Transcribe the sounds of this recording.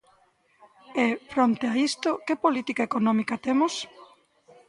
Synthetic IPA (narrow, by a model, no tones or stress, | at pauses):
ɛfɾont̪eaist̪okɪpolit̪ikaekonɔ̃mikɐt̪emos